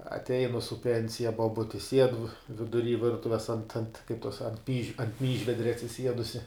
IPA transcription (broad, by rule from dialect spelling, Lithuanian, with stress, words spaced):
ɐtʲˈɛɪnʊ sʊ ˈpʲɛnʲsʲɪjɛ boːˈbʊtʲɪ sʲiɛt ʋʲɪdʊˈrʲiː ˈʋʲɪrtʊʋʲɛs ɐnt ɐnt kɐɪp toːs ɐnt pʲiː ˈmʲiːʒʲʋʲɛdʲrʲɛ ɐtʲsʲɪˈsʲiɛdʊsʲɪ